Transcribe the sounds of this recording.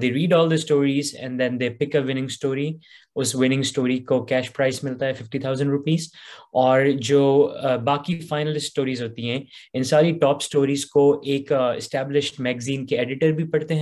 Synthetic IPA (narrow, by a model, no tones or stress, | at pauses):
d̪eːɾiːɖɔːld̪əsʈoːɾiːzɛ̰̃nd̪ɛ̃nd̪eːpɪkəʋɪnɪ̃ŋɡsʈoːɾi | ʊsʋɪnɪ̃ŋɡsʈoːɾikokɛːʃpɾaɪsmɪlt̪aɦɛfɪfʈit̪ʰaʊzə̃ɳɖɾʊpiːzɔːɾd͡ʒoːbaːkifaːɪnəlɪssʈoːɾiːzɦoːt̪iɦɛ̃ːɪ̃nsaːɾiʈɔːpsʈoːɾiːzkoʔeːkɪ̰sʈɛːblɪʃʈmɛːɡəzĩːnkeɛɖɪʈəɾbʱipɐɽt̪eɦɛ̃